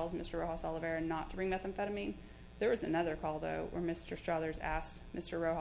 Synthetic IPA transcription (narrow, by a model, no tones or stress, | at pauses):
lˠzmɪstə˞ɹoʊɑsɑlˠəvɛɹɨ̃nːətʰəbɹɪ̃ŋmɛθɨ̃ɱfɛɾəmĩn | ðə˞wʌzɨnʌðə˞kʰɔlˠðo̰ʊwə̰˞mɪstə˞stɹ̥ʌlˠə˞zæ̰s | mɪstə˞ɹoʊh